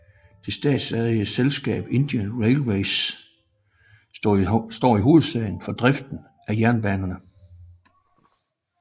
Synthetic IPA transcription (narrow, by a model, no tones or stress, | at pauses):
d̥e̝sd̥ɛ̰ːd̥sæðˠiəselsɡ̥ɛ̰ːb̥e̝nd̥iənʁeɪlweɪs | sd̥ɒ̰ːiɦo̝ːð̩ˠsɛɪn̩fɒ̽d̥ʁɛfd̥n̩ | ʔæjæɐnb̥ænɐnə